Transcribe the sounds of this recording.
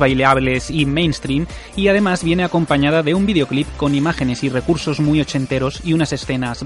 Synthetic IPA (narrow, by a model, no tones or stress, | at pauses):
βajleaβle̞simejnst̪ɾim | iaðe̞mazβje̞ne̞ako̞mpaɲaðaðe̞umbiðeo̞klipko̞nimaxe̞ne̞sire̞kuɾso̞zmujot͡ʃe̞nt̪e̞ɾo̞siunase̞sθe̞naz